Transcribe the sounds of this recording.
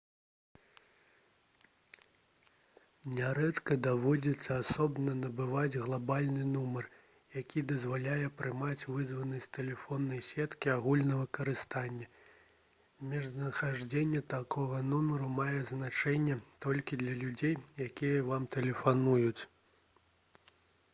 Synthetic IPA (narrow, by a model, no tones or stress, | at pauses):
nʲɛɾɛt̪kɐd̪avɔd͡zʲit̪sːɐasɔbnɐnɐbɨvad͡zʲɣlˠabalʲnɨnumɐr | jakʲid̪ɐzvalʲajɛpɾɨmat͡sʲvɨzvɐnɐsʲt̪ɛlʲɛfɔnːɐjsʲɛt̪kʲiaɣulʲnɐvɨkɐɾɨst̪anʲːɛ | mʲɛʐnɐxaʐd͡zʲenʲːɛt̪akʰɔɣɐnumɐɾumajɛznat͡ʂɛnʲːɛt̪ɔlʲkʲid̪lʲɐlʲud͡zʲejjakʲijɐvamt̪ɛlʲɛfanujut͡sʲ